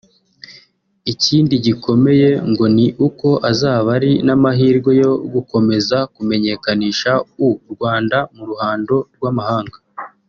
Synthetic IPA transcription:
iciːndiɟikʰo̞me̞je̞ŋɡo̞niʔuko̞ʔazaːβaɾinamaɦiːɾɡwe̞jo̞ɡuko̞me̞zakume̞ɲe̞kaniːʃauɾɡwaːndamuɾuhaːndo̞ɾɡwaːmahaːŋɡa

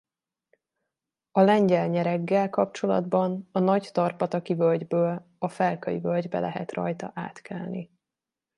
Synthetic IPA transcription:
ɒlɛɲɟɛlɲɛɾɛɡːɛlkɒp̚t͡ʃo̞lɒ̰d̪bɒnɒnɒct̪ɒrpɒt̪ɒkivølɟbøːl | ɒfɛlkɒjḭvølɟbɛ̰lɛɦɛ̰t̪rɒ̰jt̪ɒ̰ʔaːt̪kʰɛlni

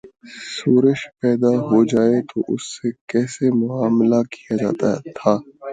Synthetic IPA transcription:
suːɾəʃpɛːd̪aɦod͡ʒaːet̪oʔʊsːekɛːsemʊaːmlakijad͡ʒa̰ːt̪at̪ʰaː

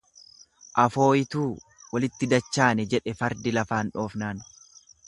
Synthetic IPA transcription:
ʔɐfo̞ːjɪt̪uː | wɐlɪt̪ːɪd̪ɐt͡ʃːaːnɛd͡ʒɛᶑɛfɐɾd̪ɪlɐfaːnᶑo̞ːfnaːn

